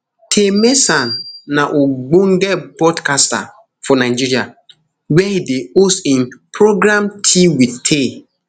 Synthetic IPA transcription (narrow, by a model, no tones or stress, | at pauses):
tʰemesanːaʔoɡ͡bõŋ̩ɡɛbɔdkasta̰ | fɔnaɪd͡ʒiɾia | wɛideostĩnpʰɾoɡɾamtʰiwidtʰe